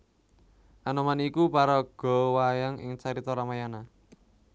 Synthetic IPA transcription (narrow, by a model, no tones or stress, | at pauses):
ʔanɔmanikupaɾɔɡ̥ɔ̤wajaŋɪ̰ŋt͡ʃaɾit̪ɔɾamajana